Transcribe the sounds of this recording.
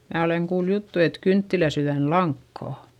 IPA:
mæː oleŋ kuːl jutːu et kyntːilæsyðænlɑŋkːɑˑ

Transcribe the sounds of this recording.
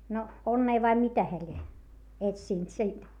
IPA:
no onːeː ʋɑi mitæ heæ lʲie etsiˑnt siːnt

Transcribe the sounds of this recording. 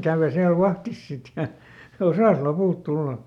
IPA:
kæˑʋø siæl ʋɑhtis sit jɑ osɑˑs lopuˑlt tulːɑ

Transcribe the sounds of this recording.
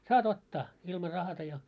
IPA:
sɑːt otːɑː ilmɑ rɑhɑtɑ jɑ

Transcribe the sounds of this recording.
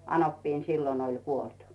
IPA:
ɑnopːiːn silːon olʲ kuolt

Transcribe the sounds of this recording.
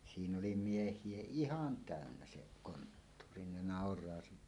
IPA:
siːnː oli miehˑie ihɑn tæˑønːæ se kontːuːri ne nɑˑorˑɑː siːn̥æ̥

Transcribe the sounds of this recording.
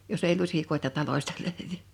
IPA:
jos eˑi lusʲikoe̝tɑ tɑlosʲtɑ løˑyʋy

